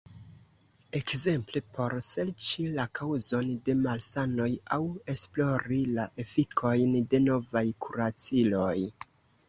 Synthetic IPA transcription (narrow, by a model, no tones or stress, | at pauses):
e̞kze̞mplepʰo̞ɾse̞lt͡ʃilakʰawzo̞nde̞malsano̞jawe̞splo̞ɾilaʔe̞fikʰo̞jnde̞no̞vajkʰuɾat͡silo̞j